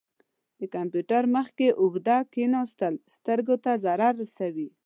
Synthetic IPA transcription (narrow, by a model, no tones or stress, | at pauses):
d̪əkampjuʈaɾməxkeʔʊɡd̪akenɑst̪əlst̪əɾɡot̪azaɾɑɾːasawi